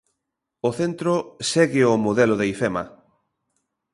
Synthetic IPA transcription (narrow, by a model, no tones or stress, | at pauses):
oθent̪ɾosɛɣɪomoðɛlʊðeifɛmɐ̰